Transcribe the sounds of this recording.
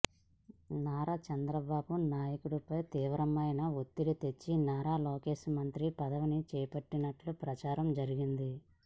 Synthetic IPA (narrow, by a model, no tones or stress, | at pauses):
naːɾat͡ʃɐnd̪ɾɐbaːbunaːjɐkuɽupɐjt̪iːʋɐɾɐmɐjnɐot̪ːiɽit̪e̞t͡ʃːinaːɾaːloːke̞ːʃmɐnt̪ɾipɐd̪ɐʋinit͡ʃɛːpɐʈːinɐʈlupɾɐt͡ʃaːɾɐmd͡ʒɐɾiɡind̪i